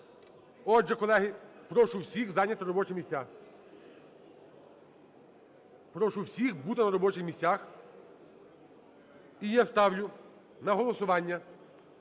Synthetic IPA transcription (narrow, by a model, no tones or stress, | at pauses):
ɔʒɛkɔlˠɛɦɪpɾɔʃʊwsʲixzɑnʲɐt̪ɔɾɔbɔt͡ʃɪmʲisʲa | pɾɔʃʊwsʲixbut̪ɪnɐɾɔbɔt͡ʃɪxmʲisʲax | ijast̪ɑwlʲʊ | nɐɦɔlˠɔsʊʋɑnʲːɐ